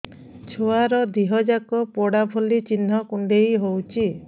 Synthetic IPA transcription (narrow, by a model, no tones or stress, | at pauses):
t͡ʃʰoaɾɔd̪iɦɔd͡ʒakɔpɔɽabʱolit͡ʃin̤ːɔkuɳɖejɦowt͡ʃʰi